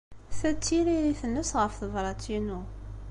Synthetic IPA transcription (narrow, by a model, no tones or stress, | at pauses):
θæt͡sːiɾiɾiθənːəsʁəfθəvɾˤɑt͡sːinu